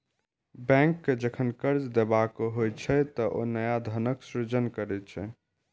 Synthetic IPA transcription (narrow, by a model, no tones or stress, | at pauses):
bɛ̃ŋkːed͡ʒəkʰənkəɾd͡ʒd̪ebakoɦojt͡ʃʰɛt̪ɔʔo̰nəjad̪ʱənəksɾid͡ʒənkəɾɛt̪t͡ʃʰɛ